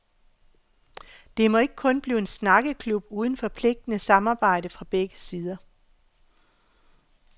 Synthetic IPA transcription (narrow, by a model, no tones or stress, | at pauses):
d̥e̝mɒ̽e̝ɡ̥ə̥kʰɔ̽nb̥liːe̝nsnɑ̈ɡ̥əkʰlub̥uð̞ˠn̩fɒ̽pʰle̝ɡ̥̚d̥ənəsɑ̈mɑ̈ːb̥ɑ̈ɪ̰ɾəfʁɑ̈b̥eɡ̥əsiːð̞ˠɐ